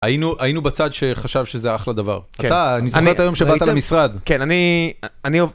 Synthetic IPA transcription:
ajinuʔainubat͡sad̪ʃe̞χaʃavʃezeaχlad̪ava̰ʁaaːnizoet̪ajo̞mʃebbat̪alamisʁad̪kenanianiov

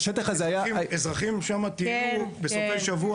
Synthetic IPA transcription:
ʃet̪aχazeajaezʁaχimʃamat̪iubesofejʃavua

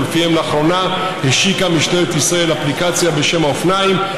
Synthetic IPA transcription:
lefihemleaχʁo̞na | heʃikamiʃtelet̪isʁae̞laplikat͡sjabeʃe̞maofnaim

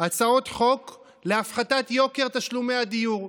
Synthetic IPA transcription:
at͡sao̞t̪χo̞k | leafχat̪at̪jo̞ke̞ʁt̪aʃlume̞jad̪ijuʁ

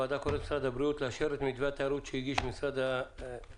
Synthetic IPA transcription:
ad̪akoɾet̪misɾad̪habɾiut̪leaʃeɾet̪mid̪veat̪eaɾut̪ʃeiɡiʃmisɾad̪a

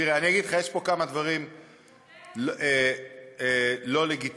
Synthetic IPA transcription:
iʁeanijaɡid̪χajeʃpo̞kamad̪vaʁim | le | elo̞le̞ɡit

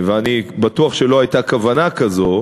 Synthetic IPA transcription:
veanibatuaχʃe̞loajt̪akavanakazo

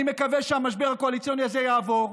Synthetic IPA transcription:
imekavɛʃeamaʃbeʁakoalit͡sijo̞niazejaːvo̞ʁ

